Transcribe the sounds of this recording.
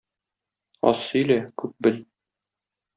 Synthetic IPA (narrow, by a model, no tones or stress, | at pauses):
ɒ̰sːɵ̆jlækʉp̚bɘl